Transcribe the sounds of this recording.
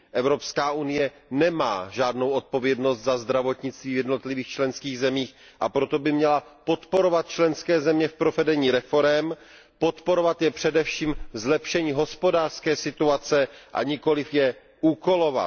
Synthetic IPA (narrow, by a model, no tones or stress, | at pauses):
ʔɛvɾo̞pskaːʔunɪjɛ | nɛma̰ːʒaːdno̞wʔo̞t̪̚po̞vjɛdnost̪zazd̪ɾavo̞t̪ɲɪt͡st̪viːvjɛdno̞t̪lɪviːxt͡ʃlɛnskiːɣzɛmiːx | ʔapɾo̞t̪o̞bɪmɲɛlapo̞t̪po̞ɾo̞vat̪̚t͡ʃlɛnskɛːzɛmɲɛfpɾovɛdɛɲiːɾɛfo̞ɾɛm | po̞t̪po̞ɾovat̪jɛpr̥ɛdɛfʃiːmzlɛpʃɛɲiːɦo̞spo̞daːr̥skɛːsɪt̪uat͡sɛʔa̰ɲɪko̞lɪfjɛ | ʔuːko̞lo̞va̰